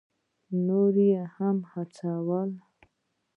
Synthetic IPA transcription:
noɾijehamhat͡sawal

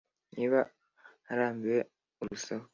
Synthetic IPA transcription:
niːβa | haɾaːmbiɾe | uɾusaho

